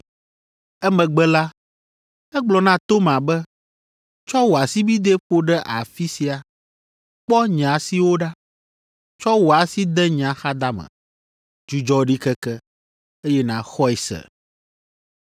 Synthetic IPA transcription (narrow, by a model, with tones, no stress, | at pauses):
ɛ˦mɛ̃˨ɡ͡bɛ˦la˦ | ɛ˦ɡ͡blɔ˨nã˦t̪o˦mã˨bɛ˦ | t͡ʃɔ˦wo˨a˨si˦bi˦d̪e˦ɸo˦ɖɛ˦ʔa˨fi˦si˨a˨ | k͡pɔ˦ɲã˨si˨wo˦ɖa˦ | t͡ʃɔ˦wo˨a˨si˦d̪ɛ˦ɲã˨xa˦d̪a˦mɛ̰̃˨ | d͡ʒu˦d͡ʒɔ˦ɖi˦kɛ˦kɛ˦ | e˦jɛ˦nã˨xɔ˦ɛ˨sɛ̰˨